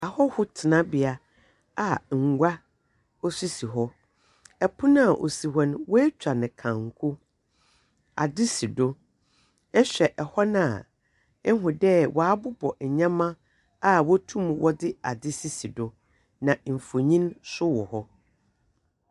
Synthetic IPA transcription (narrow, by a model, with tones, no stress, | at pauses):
a˨hɔ˦hʊ˦tʰɪ˨nã˦bɪ˨a˦ | a˨ŋ̩˨ɡʷa˦ | ɔ˦su˦si˨ɦɔ˦ | ɛ˨pʰʊ˦nã˦˨ʔo̰˨si˨ɦɔ˦ñ˦wɔ˦ɛ˦t͡ɕᶣa˨nɪ̃˨kʰã˨ŋ̩˨kʰʊ˦ | a̰˨dɪ˦si˨do˦ | ɛ˦ɕᶣɛ˨ʔɛ˨hɔ˦nã˨ | ɛ˦ɦʊ̃˨dɛ˦wʔɔ˨a˦bʊ˦bɔ˨ɲã˦mã˦ | a˦wɔ˦tʰũ˦mwɔ˦dɪ˦a˨dɪ˦si˦si˨dʊ˦ | nã˨m̩˨fo˨ɲĩ˦nsʊ˦wɔ˨hɔ˦